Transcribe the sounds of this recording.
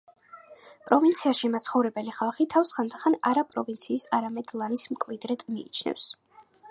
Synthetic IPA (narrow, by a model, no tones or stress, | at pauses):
pʼɾɔvint̪sʰiaʃimat̪sʰχɔvɾɛbɛliχalˠχit̪ʰafsχand̪aχana̰ɾapʼɾɔ̰vint̪sʰiːsaɾamɛd̪lˠanismkʼvid̪ɾɛt̪ʼmiḭt͡ʃʰnɛ̰fs